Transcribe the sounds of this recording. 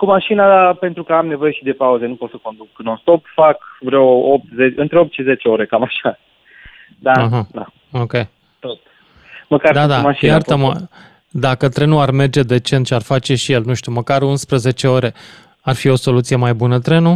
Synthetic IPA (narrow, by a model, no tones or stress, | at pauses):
kumaʃinaape̞nt̪ɾukəamne̞vo̞je̞ʃid̪e̞pauze̞nupo̞t̪səko̞nd̪ukɨnonst̪o̞pfakvɾewop̚t̪zet͡ʃɨnt̪ɾeopt̪ʃize̞t͡ʃe̞o̞ɾe̞kamaʃa | d̪aəɦəd̪a̰ | okʲej | t̪ot̪̚ | məkaɾd̪ad̪amaʃijat̪əmə | d̪akət̪ɾe̞nuarme̞rd͡ʒed̪e̞t͡ʃe̞nt̪ʃʲiarfat͡ʃe̞ʃije̞lnũʃt̪uməkaɾunspɾəze̞t͡ʃe̞o̞ɾe̞ | arfio̞so̞lut̪sije̞majbunət̪ɾe̞nu